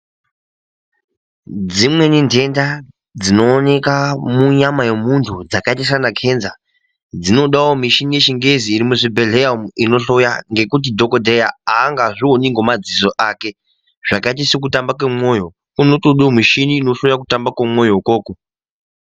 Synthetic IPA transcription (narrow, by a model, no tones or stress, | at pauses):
d͡zimwe̞nindʱe̞nda | d͡zino̞ːne̞kamuɲamaje̞muntʰud͡zakaitis̬anakʰe̞nza | d͡zino̞ɗawomiʃinije̞t͡ʃiŋɡe̞ziːɾimuʐibʱe̞ɮeamino̞ɬo̞jaŋɡe̞kut̬idʱo̞kodʱejaaːŋɡaʐioniŋɡo̞mad͡zizo̞ʔake̞ | ʐ̥akait̬isok̬utambakwemo̞jo̞ | kunotoɗomiʃiniːno̞ɬojak̬utambakwemo̞joko̞ːko